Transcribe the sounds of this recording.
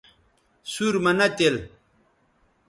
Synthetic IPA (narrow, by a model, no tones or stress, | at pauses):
suɾmɐnɐt̪el